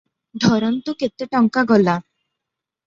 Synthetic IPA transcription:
d̪ʱɔɾɔnt̪uket̪eʈɔŋkaɡɔla

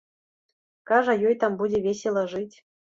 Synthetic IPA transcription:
kɑʐajojt̪ambudʲevʲesʲelˠɐʐɨtʲ

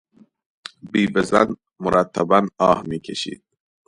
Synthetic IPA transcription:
biːbezæ̰n | moɾʔæt̪ʰːæbænɒːhmiːkʰeʃḭːd̪̥̚

